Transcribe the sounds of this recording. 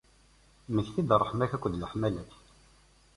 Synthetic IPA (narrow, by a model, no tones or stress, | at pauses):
məçθid̪rˤːəħmæçækʷːðləħmælæθ